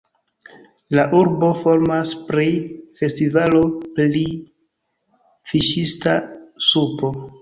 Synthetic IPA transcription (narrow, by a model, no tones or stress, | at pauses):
laʔuɾbo̞fo̞ɾmaspɾife̞stivalo̞pli | fiʃistasupo̞